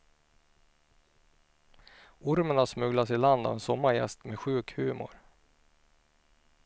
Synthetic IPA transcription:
ʊɾmənasmɵɡlasɪland̪a̰vɛnsɔmːaɾjɛ̰st̪mɛɧʉ̟ːkhʉ̟ːmʊ̰ɾ

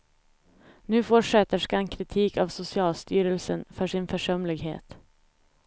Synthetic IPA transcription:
nʉ̟ːfɔʂɛt̪əʂkankʰɾɪt̪ʰiːkavsʊsɪɑːlst̪yːɾəlsənfœʂɪnfœʂœmlɪɡɦḛːt̪

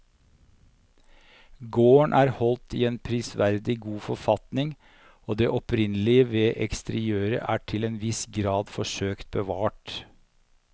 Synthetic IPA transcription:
ɡoːəɳʔæːɾhɔlt̪iːeːnpʰɾɪsʋæɾd̪ɪɡuːfɔɾfɑt̪nɪŋ | oːd̪eːʔɔpʰɾɪnəlɪəʋeːʔɛkst̪əɾɪøːɾə̰ʔæːʈʰɪleːnʋɪsɡɾɑːd̪fɔʂøːkt̪̚bəʋɑːʈ

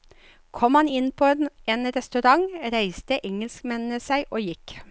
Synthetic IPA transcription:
kʰɔmhɑnɪnpʰoːneːnɾɛst̪ʉɾɑŋɾæɪst̪əʔɛŋəlskmɛnn̩əsæɪʔoːjɪk

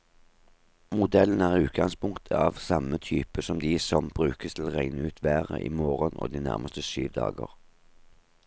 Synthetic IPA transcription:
mʊd̪ɛlən̩æːʁʉːt̪̚ɡɑŋspʰʊŋkt̪ʰəɑːʋsɑmət̪ʰyːpəsɔmd̪iːsɔmb̥ʁʉːkəst̪ʰɪl̩ːʁæɪnəʉːt̪ʰʋæːʁə̰ʔiːmoːʁənʔo̰ːd̪iːnæ̰ʁmʔəst̪əsyːʋd̪ɑ̰ːɡə̰ʁ

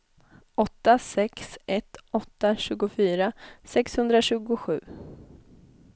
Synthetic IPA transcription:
ɔt̪ːasɛksɛt̪ɔt̪ːaɕʉ̟ːɡʊfyːɾasɛkshɵnd̪ɾaɕʉ̟ːɡʊɧʉ̟ː

